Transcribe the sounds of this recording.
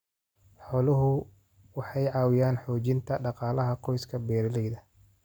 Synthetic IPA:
ħɔːlʊɦʊ | wɑħɑjʕɑːwɪjaːnħɔːt͡ʃɪnt̪ʰɐɖɑqɑːlɐɦɐqʰɔjskʰɐbɛːɾɪlɛjðɐ

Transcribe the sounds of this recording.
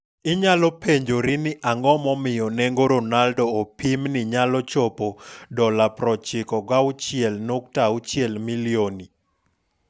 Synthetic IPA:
ɪɲalɔpʰeɲd͡ʒoɾinɪʔaŋɡɔmɔmɪjɔnɛŋɡoɾonaldɔːpimnɪɲalɔt͡ʃɔpodɔlapɾɔt͡ʃɪkɔɡaʊt͡ʃɪɛlnoktaʊt͡ʃjɛlmilioni

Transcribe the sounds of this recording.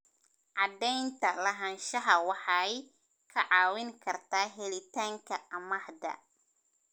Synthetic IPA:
ʕɑd̪ɛjnt̪ʰɐlɐɦɐnʃɐɦɐwɑħɑj | kʰɐʕɑːwɪŋkʰɐrt̪ʰaːɦɛlɪt̪ʰaːŋkʰɐʔɐmɐħd̪ɐ̰

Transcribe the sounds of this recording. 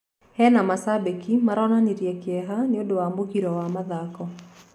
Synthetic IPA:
hɛnamasabekimaɾɔnaniɾjɛkjɛɦaneodowamokiɾɔwamaðakɔ

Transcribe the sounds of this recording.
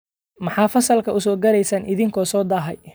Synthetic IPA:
mɑħɑːfɐsɐlkʰɐʔʊsɔːɡɐɾɛjsɐnʔɪðɪŋkʰɔːsɔːd̪aːɦɛ̰j

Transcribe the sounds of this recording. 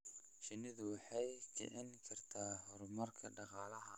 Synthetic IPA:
ʃɐnɪðʊwɑħɑjt͡ʃɪ̰ʕɪŋkʰɐrt̪ʰaːhɔɾmɐrkʰɐɖɑqɑːlɐɦɐ

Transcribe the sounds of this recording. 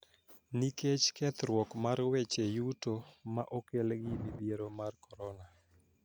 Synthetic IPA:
niket͡ʃkɛt̪ɾwɔkmaɾwet͡ʃejutomaʔokelɡɪbibieɾomarkɔɾɔna

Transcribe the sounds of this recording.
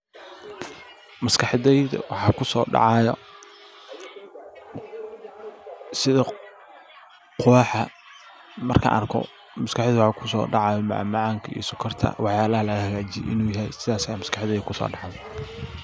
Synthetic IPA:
mɐskʰɑħɛjðɐ̰wɑħɑːkʰʊsɔːɖɑ̰ʕɑjɔ̰ | sɪðɐ | qʊwaːħɐ | mɐ̰rkʰɐ̰ʔɐ̰rkʰɔ̰ | mɐskɑħðwɑħɑːkʰʊsɔ̰ːɖɑʕɑːjɔmɑʕ̰mɑʕɑːŋkʰɐḭːsʊkʰːɐrt̪ʰɐ̰wɑħjaːlɐhɐlɐɣɐhɐɣaːt͡ʃɪj̰ʔɪ̰nuːjɐɦjsɪðaːsɐjaːmɐskɑħðɛjkʰʊsɔ̰ːɖɑʕð

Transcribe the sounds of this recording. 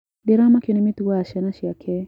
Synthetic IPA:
deɾamakjonimit̪uwaaʃɛnaʃjakʰɛ

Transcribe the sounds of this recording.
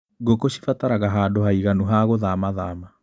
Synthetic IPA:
ɡokoɕifataɾaɣaɦaːdohaiɣanuɦaɣoðamaðaːma

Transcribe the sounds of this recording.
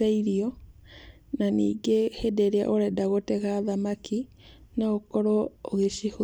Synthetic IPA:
aiɾiɔ | nanḭːɡehedeɾea̰ʔoɾɛdaɣotɛɣaːðamaki | naokɔɾooɣeʃiho

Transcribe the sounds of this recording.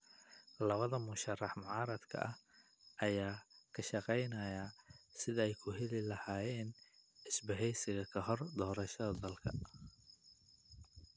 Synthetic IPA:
lɐβɐðɐmʊʃɐrɑħmʊʕɑːɾɐd̪kʰɐ̰ʔɐh | ʔɐjaːkʰɐʃɑqɛjnɐjaːsɪðɐɛjkʰʊɦɛlɪlɐhaːjɛːnɪsbɐɦɛjsɪɣɐkʰɐɦɔrd̪ɔːɾɐʃɐðɐd̪ɐlkʰɐ̰

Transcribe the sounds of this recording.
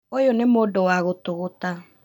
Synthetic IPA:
ojonemodowaɣotoɣota

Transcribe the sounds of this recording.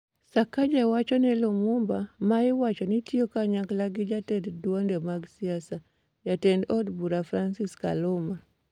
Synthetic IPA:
sakad͡ʒawat͡ʃɔnɛlomumbamaɪwat͡ʃɔnitiokaɲaklaɡid͡ʒatɛddwondɛmaɡsiasa | jatɛndɔdbuɾafɾansiska̰loma

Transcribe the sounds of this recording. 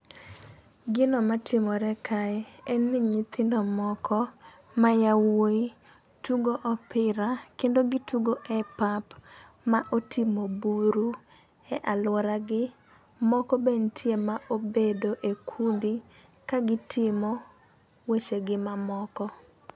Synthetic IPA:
ɡɪnɔmatʰɪmɔɾɛkʰaɛɛnːɪɲit̪ɪndɔmɔkʰɔ | majawoi | tuɡoʔɔpɪɾakendoɡɪtuɡoʔɛpap | maʔotʰɪmobuɾu | ɛʔalwɔɾaɡɪ | mɔkɔbentʰjemaʔobedoʔekʰund̪i | kaɡɪtʰɪmɔ | wet͡ʃeɡɪmamɔkɔ

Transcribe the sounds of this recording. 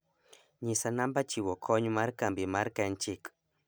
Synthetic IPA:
ɲisanambat͡ʃiwɔkʰɔɲumaɾkambimaɾkant͡ʃik

